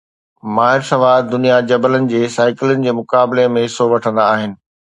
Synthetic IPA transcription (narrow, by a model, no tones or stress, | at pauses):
maːɦɪɾsɐʋaːd̪ʊnijad͡ʑɐbələnɪ̆d͡ʑeːsaːɪkɪlʊənɪ̆d͡ʑeːmʊkaːbɪlemẽɦɪsːoʋɐʈʰə̃nd̪aːɦɪnɪ̆